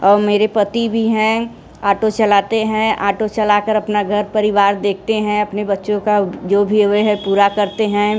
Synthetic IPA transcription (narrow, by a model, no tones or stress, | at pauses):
ɔːɾmeːɾepɐt̪ibʱiɦɛ̃ | aːʈot͡ʃɐlaːt̪eɦɛ̃ʔaːʈot͡ʃɐlakəɾɐpnaɡʱɐɾpɐɾɪʋaːɾd̪eːk̚ʰt̪eɦɛ̃ɐpnebɐtːʃõkad͡ʒoːbʱieɦɛpuːɾakɐɾt̪eɦɛ̃